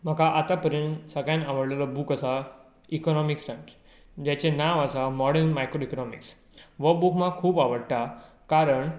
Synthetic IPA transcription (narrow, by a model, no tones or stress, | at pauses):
m̤əkaʔat̪apəɾinsəɡɭjãnaʋəɽlelɔbuːkasa | ikɔnɔmiksʈə̃nʈ | d͡ʑat͡ɕẽnaʋasamɔɽəɾnmajkɾoikɔnɔmḭks | ʋəbukmãkʰuːbaʋəɽʈa | kaɾəɳ